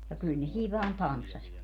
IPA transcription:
jɑ kyl ne siːʋ ʋɑːn tɑnsːɑsʲʋɑtki

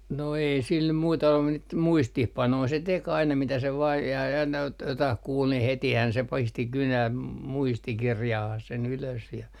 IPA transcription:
no ei sil nym muitɑ olːu mut niːt muistihpɑnoi se tek ɑinɑ mitæ se ʋɑː jɑ jɑ ɑinɑ ot jotɑh kuːl ni hetihæn se pisti kynæm muistikirjɑhɑh sen yløs jɑ

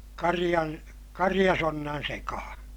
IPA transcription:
kɑrij̆ɑn kɑrij̆ɑsonːɑn sekɑhɑ̃ː

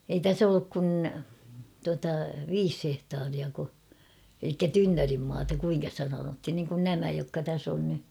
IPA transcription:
ei tæs olːuk kun tuɑtɑ ʋiːs hehtɑːriɑko elikːæ tynːørimːɑːtɑ kuiŋkɑ sĭtæ sɑnothin niŋkun næmæ jokːɑ tæs on ny

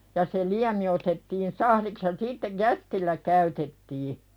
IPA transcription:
jɑ se liæmi otetːiːn sɑhliks jɑ siːtːej̆ jæstilːæ kæytetːiː

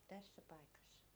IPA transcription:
tæsːæ pɑikɑsːɑ̥

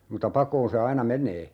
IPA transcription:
mutɑ pɑkoːn se ɑinɑ menˑeː

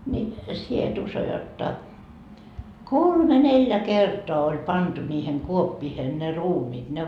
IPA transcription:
nʲi sie et uso jotːɑ kolme neljæ kertoɑ olʲ pɑntu nʲiːhen kuopːiːhen ne ruːmiːt ne

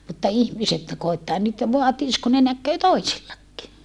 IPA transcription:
mutːɑ ihmiset koitːɑː nyt ʋoɑtiːs ku ne nækːeː toisilːɑkːi

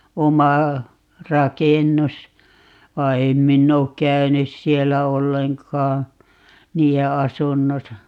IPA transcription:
omɑ rɑkenːus ʋɑi̯ em minː oːk kæynys sielːæ olːeŋkɑː niːe ɑsunːosɑ

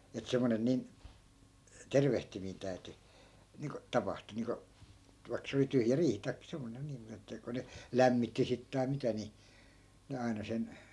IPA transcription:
et semːonen nin terʋehtimiːn tæy̞ty niːŋko tɑpɑhtu niːŋko ʋɑi̯k se oli tyhjæ riːhi tɑikːɑ̆ semːonen niːm mut etːæ ko ne læmːitːi sit tɑi̯ mitæ ni ne ɑi̯nɑ sen

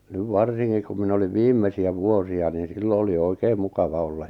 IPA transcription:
nyʋ ʋɑrsiŋkik kum minæ̆ oliʋ ʋiːmːesiæ ʋuosiɑ niːn̞ silːo oli oikeːm mukɑʋɑ olːɑj

